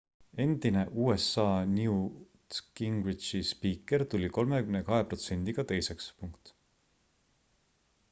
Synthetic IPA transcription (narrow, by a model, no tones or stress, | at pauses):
e̞nd̪̥ine̞ʔuːe̞sːɑːniu | kiŋɡwit̪ispiːkːˑe̞ɾt̪ulʲiko̞lme̞kymnekɑɦe̞pro̞t̪se̞nd̪̥iɡ̥ɑt̪e̞jse̞kspuŋkt̪ˑ